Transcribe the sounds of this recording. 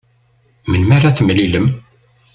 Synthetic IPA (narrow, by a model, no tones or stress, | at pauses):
mənmaɾaθəmliləm